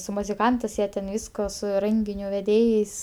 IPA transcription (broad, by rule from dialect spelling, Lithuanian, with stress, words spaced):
sʊ mʊzʲɪˈkɐntɜs ˈjiɛ tʲɛn ˈʋʲiːskoː sʊ ˈrʲɛŋʲɡʲɪnʲʊ ʋʲɛˈdʲeːjɛɪs